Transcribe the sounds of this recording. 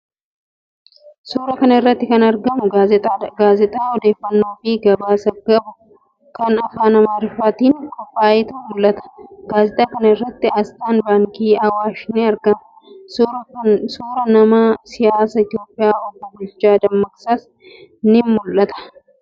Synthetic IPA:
suːɾɐkɐnɐɪrːɐt̪ːɪkɐnɐɾɡɐmʊɡaːzɛt̪ʼaːɔd̪e̞ːfːɐnːo̞ːfɪɡɐbaːsɐɡɐbʊ | kɐnɐfaːnɐmaːɾɪfaːt̪iːŋkɔpʼːaːjɛt̪ɐmʊlʔːɐt̪ɐ̥ɡaːzɛt̪ʼaːkɐnɐɪrːɐt̪ːɪɐst̪aːnbaːŋkiːɐwaːʃnɪɐɾɡɐmɐ | suːɾɐnɐmasɪjaːsɐɪt̪ɪjo̞ːpʼːɪjaːɔbːʊbʊt͡ʃːaːd̪ɐmːɐksaːs | nɪmmʊlʔɐt̪ɐ̥

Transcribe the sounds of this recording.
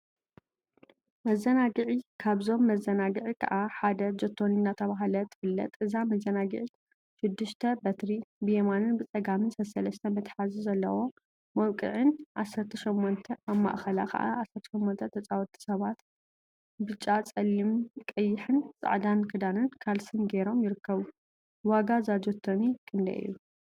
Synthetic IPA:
mɐzːɐnaɡɨʕikʰaβzo̞mːɐzːɐnaɡɨʕikʰɐ̰ʔaħad̪ɐd͡ʒɐt̪ʰːo̞ninːat̪ʰɐβaɦlɐt̪ʰɨ̥fɨlːɐ̰t̪ʼʔɨzamɐzɐnaɡɨ̰ʕi | ʃɪd̪ːɨʃt̪ʰɐbɐt̪ɾibɨjemanɨnbɨt͡sʼɐɡamɨnsɐsɐlɐst̪ʰɐmɨt̪ħazuzɐlːɐ̰wo̞ | mɐwkʼɨ̰ʕɨnʕasːɐɾt̪ʰiʃomːont̪ʰɐʔaβma̰ʔxɐla̰kʰɐ̰ʔa̰ʕasːɐɾt̪ʰɐ̥ʃɛmːont̪ʰɐt̪ʰɐt͡sʼawɔt̪ʰʼi̥sɐβat̪ | bɨt͡ʃʼːat͡sʼɐlimkʼɐjːɪħɨnt͡sʼa̰ʕd̪ankʰɨd̪anɨnkʰalsɨnɡeɾo̞mjɪɾɨkːɐβu | waɡazad͡ʒot̪ʰːonikʰɨnd̪ɐ̰ʔɨ̰jːu

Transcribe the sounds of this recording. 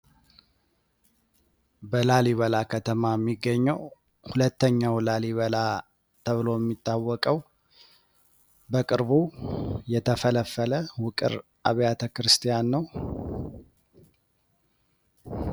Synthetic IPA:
bəlaliβəlakʰət̪ʰəmajɛmːiɡːəɲːəw | hulət̪ːəɲːawlaliβəla | t̪ʰəβɨlo̞jɛmːit̪ʼːawːɔkʼəw | bəkʼɨɾbujɛt̪ʰəfələfːələwʊkʼɨ̰ɾ | ʔaβjat̪ʰəkɨɾɨst̪ʰijanːəw

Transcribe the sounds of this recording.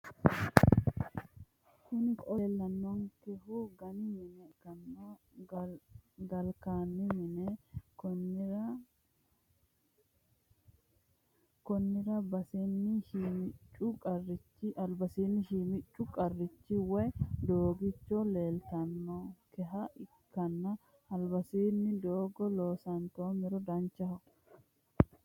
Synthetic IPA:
kʊnkʼɔlːɐnːɔŋkɛhuɡɐnɪmɪnɛkɐnːo | ɡɐlkaːnːɪmɪnɛkɔn | kɔnːɪɾɐbɐsinːɪmɪt͡ʃʼːʊkʼɐrːɪt͡ʃːiʔɐlbɐsiːnːɪʃɪmɪt͡ʃʼːʊkʼɐrːɪt͡ʃːiwɛd̪oːɡɪt͡ʃːole̞ːlt̪ɐnːɔkɛɦɐɪ | kːɐnːɐ | ɐlbɐsiːnːɪd̪oːɡɔloːsɐnt̪oːmɪɾɔd̪ɐnt͡ʃɐhɔ

